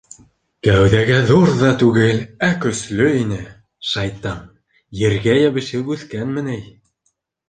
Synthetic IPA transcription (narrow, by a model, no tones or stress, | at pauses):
kæwðæɡæðuɾðɑt̪ʉɡɘlækɵ̆slɵinɘ | ʃɑjt̪ɑm | jɘ̆ɾɡæjæβɘ̆ʃɘwʉθkænmɘ̆nɘj